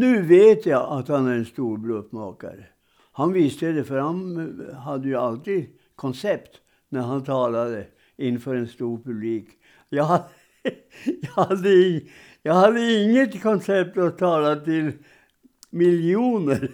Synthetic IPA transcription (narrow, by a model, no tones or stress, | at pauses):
nʉ̟ːveːt̪jaʔat̪hanæɾɛnst̪uːɾbɾoːpmɑ̰ːka̰ɾə | hanvɪst̪əd̪ɛfœɾhanɦad̪ːəjɵalt̪iːd̪ | kʰɔnsɛpt̪ | næɾɦant̪ʰɑːlad̪ə | ɪnːfœːɾɛnst̪uːɾpɵbliːk | jɑɦad̪ə | jɑhad̪ːəɪ | jɑːɡhad̪ːəɪŋːət̪kʰɔnsɛp̚t̪at̪ʰːɑːlat̪ɪl | mɪljuːnəɾ